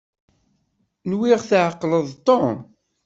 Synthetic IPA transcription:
nwiʁθʕəqːləðˤt̪ˤːon

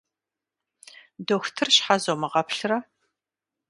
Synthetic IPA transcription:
doːxʷtʰɨrʃħazomɐʁɐpʰɬɨrɐ

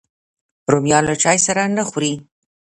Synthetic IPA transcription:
ɾomjɑnlat͡ʃɑjsaɾanəxɾi

